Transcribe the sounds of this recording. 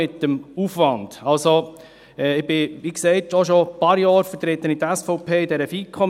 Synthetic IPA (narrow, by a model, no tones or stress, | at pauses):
ɪt̪ːəmuːfʋɑnd̥ɑlso | ɛɪb̥ɪʋiksɛɪt̪oʃopɑːɾjɑːɾfət̪ɾet̪ənitæsfɔʊpʰeːɪdɛɾəfiːkʰχɔm